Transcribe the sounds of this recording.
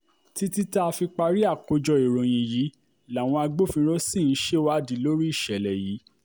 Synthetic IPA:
ti˧ti˦ta˦˧fi˧k͡pa˧ɾi˦a˦˨ko˧d͡ʒɔ˧i˨ɾõ˨j̃ĩ˨ji˨˦ | la˨w̃ɔ̃˧a˧ɡ͡bo˦˨fĩ˧˦ɾ̃õ˦sĩ˦˨˦ʃe˦˨wa˦di˨˦lo˦ɾi˦i˦˨ʃɛ˨lɛ˨ji˨˦

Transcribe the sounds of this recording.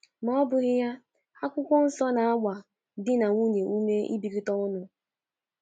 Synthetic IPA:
mɔ˦ɔ˦bʊ˨ɣɪ˦ja˦ | a˦kʷʊ˦kʷɔ˦n̩˦sɔ˦na˨a˦ɡʷa˨ | dɪ˦na˨ŋʷu˦ne˨u˦me˦ḭ˦bi˨ɾi˦tɔ˦ʊ˦nʊ˨

